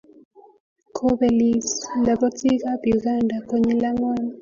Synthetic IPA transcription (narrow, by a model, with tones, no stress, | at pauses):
kʰo˦bɛ˨li˨sla˨bɔ˦ti˦ɣa˦bu˨ɡa˦˨nda˨ko˦ɲi˦la˦ŋwa˦˨na˦